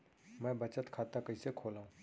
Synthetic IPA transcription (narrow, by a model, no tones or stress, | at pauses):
mɛ̃ːbɐt͡ʃət̪kʰaːt̪akɐisekʰoːlaːɦũː